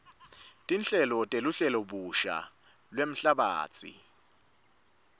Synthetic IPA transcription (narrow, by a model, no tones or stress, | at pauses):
tʼinɬʼɛlɔtʼeluɬɛlɔɓuʃa̰ | lwem̩ɬaɓa̰ːt͡sʰʼḭ